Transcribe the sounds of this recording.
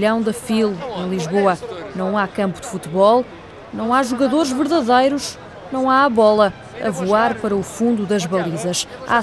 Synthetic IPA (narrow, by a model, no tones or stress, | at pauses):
ʎɐ̃w̃d̪ɐfilˠẽj̃lˠiʒβoɐnɐ̃w̃akɐ̃mpud̪ɨfut̪βɔlˠ | nɐ̃w̃aʒuɣɐðoɾʒvɨɾðɐðejɾuʃ | nɐ̃w̃aβɔlˠɐ | ɐ̰vuaɾpɐɾɐufũnd̪uðɐʒβɐlˠizɐʃa̰